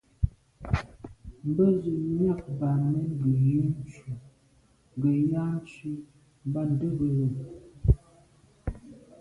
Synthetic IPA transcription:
m˦bə˦zə˨m˦a˦˨k̚ba˨nmə˦n˦bə˨ji˦n˦t͡ʃu˨ | ŋ˨ɡə˨ja˦n˦t͡ʃi˦ | m˦ba˦n˨də˦ɡə˨ɣə˨

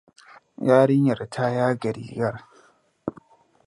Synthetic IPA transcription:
jaː˦ɽɪ˦ɲjɐ˨ɾtʰaː˦jaː˦ɡɐ˨ɾḭː˨ɡɐ˦r

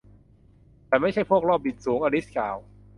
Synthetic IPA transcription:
t̪ɛː˨˩ma˥˩jt͡ɕʰa˥˩jpʰu˥˩ək̚ɾɔː˥˩p̚ʔi˨˩t̪̚suː˩˦ŋʔaː˧li˦˥skʰaː˨˩w

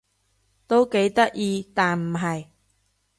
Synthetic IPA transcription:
t̪o˥wke˨˥jt̪ɐ˥k̚jiː˧t̪aː˨nm̩˨˩ɦɐ˨j

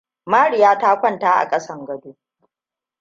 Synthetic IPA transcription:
maː˦ɽɪ˨jaː˦taː˦kʷɐ˦˨ntaː˦ʔa̰˨kʼɐ˦sɐ˦ŋɡɐ˦duː˦

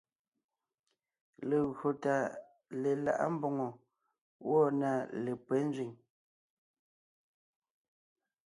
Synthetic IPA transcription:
le˨ɣɰo˨ta˨ | le˨la̰˨ʔa̰˦m̩˦bɔ˨ŋɔ˨ | wʔɔ˦˨na˨le˨pwɛ˦n˦zɥi˨ŋ

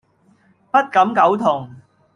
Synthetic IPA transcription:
pɐ˥t̚kɐ˨˥mkɐ˨˥wt̪ʰʊ˨˩ŋ

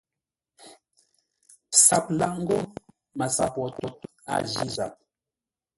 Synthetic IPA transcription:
sa˨p̚la˨ŋ̩˦ɡo˦ | ma˨sa˨pwɔ˨tɔ˨t̚ | a̰˨d͡ʒi˦za̰˨p̚

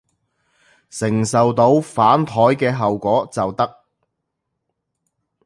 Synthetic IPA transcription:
sɪ˨˩ŋsɐ˨wt̪o˨˧wfaː˨˥nt̪ʰɔː˨˥jkɛː˧ɦɐ˨wkʷɔː˨˥t͡sɐ˨wt̪ɐ˥k̚

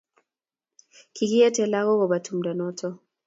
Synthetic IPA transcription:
kʰi˨ki˦ɛ˦tɛ˨la˦ɣɔ˦ɣɔ˨ba˨tʰu˨m̩da˨nɔ˦tʰɔ˦

